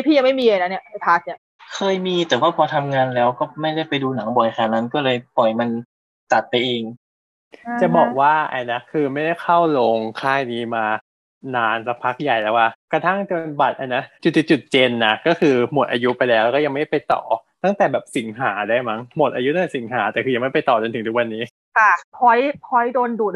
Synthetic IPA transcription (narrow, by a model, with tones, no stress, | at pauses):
a˥˩pʰiː˥˩ja˧ma˥˩jmiː˧la˧na˦˥ni˥˩˨ʔʰa˦˩t̪ʰaː˦˥s̚ni˦˥˩ | kʰɤː˧jmiː˧t̪ɛː˨˩waː˥˩pʰɔː˧t̪ʰa˧mŋaː˧nlɛː˦˥wkɔː˥˩ma˥˩jda˥˩jpa˧jduː˧na˩˦ŋbɔ˨˩jkʰaː˧˩na˦˥nkɔː˥˩lɤː˧jpɔ˨˩jma˧n | t̪a˨˩t̪̚pa˧jʔeː˧ŋ | t͡ɕa˨˩bɔː˨˩k̚waː˥˩ʔa̰˧jna˦˥kʰɯː˧ma˥˩jda˥˩jxʰa˥˩wloː˧ŋkʰaː˥˩jniː˦˥maː˧ | naː˧nsa˧˦˥k̚pʰa˦˥k̚ja˨˩jlɛː˦˥waː˥˩kɾa˧t̪ʰa˥˩ŋt͡ɕo˧nba˨˩t̪̚ʔa˧na˦˥t͡ɕu˨˩t̪ːi˨˩t͡ɕu˨˩t̪̚t͡ɕe˧nːa˧˩kɔː˥˩kʰɯː˧mo˨˩˦t̪ʔaː˧ju˦˥pa˧jlɛː˦˥wlɛː˧˦˥kɔ˥˩a˧ŋma˥˩˦a˥˩pa˧jt̪ɔ̰ː˨˩t̪a˥˩ŋt̪ɛː˨˩bɛː˨˩p̚si˨˩˦ŋɦaː˩˦daː˥˩jma˦˥ŋmo˨˩t̪̚ʔaː˧ju˦˥a˥t̪ɛ˨˩si˩˦ŋɦaː˩˦t̪ɛː˨˩kʰɯː˧ja˧ŋma˥˩jpa˧jt̪ɔː˨˩t͡ɕo˧nt̪ʰɯ˩˦t̪ʰu˦˥kwa˧nːiː˦˥ | kʰa˥˩pʰɔ˦˥jpʰɔ˦˥jdoː˧nduː˨˩t̪̚